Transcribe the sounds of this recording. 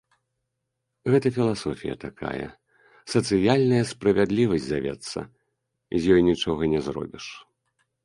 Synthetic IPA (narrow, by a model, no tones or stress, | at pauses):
ɣɛt̪ɐfʲilˠasɔfʲijɐ̰t̪akʰa̰jɐ̰ | sɐt̪sɨjalʲnɐjɐspɾɐvʲad̪lʲivɐsʲzavʲɛ̰t̪sːɐ̰ | izʲjɔjnʲit͡ʂɔɣɐnʲɛzrɔ̰bʲiʂ